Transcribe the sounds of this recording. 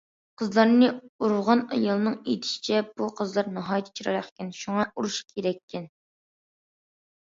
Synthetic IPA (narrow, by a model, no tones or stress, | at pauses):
qʰəzlˠɑɾnɨuɾʊʁɑnɑjɑlˠɨnɨŋḛt̪ʰɪ̥ʃi̥t͡ʃʰɛb̥uqʰəzlˠɑɾnɑɦɑːjt̪ʰt͡ʃʰiɾɑ̰ɾɑqkʲɛnʃuŋɑuɾuʃkʲʰeɾɛkʲːɛn